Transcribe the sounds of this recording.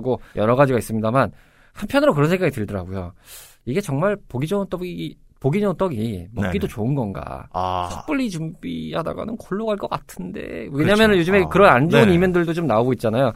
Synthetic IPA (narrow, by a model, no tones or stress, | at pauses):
ɡojʌɾʌɣad͡ʑiɡais͈ɯmɲidaman | hanpʰjʌnɯɾokɯɾʌnsʰeŋɡaɡitɯɭdʌɾa̰ɡojo | iɡe̞t͡ɕʌŋmaɭpoɡid͡ʑʌnt͈ʌi | poɡid͡ʑʌnot͈ʌɡimʌk͈idot͡ɕoɯnɡʌnɡa̰sʰʌp͈ɯʎːit͡ɕumbḭhada̰ɡa̰nɯnkʰoɭːoɡaɭk͈ʌk͈atʰɯnde̞̰weɲamjʌnɯnjod͡ʑɯme̞kɯɾʌnand͡ʑounimendɯɭdot͡ɕomnaoɡoit̚t͡ɕ͈anajo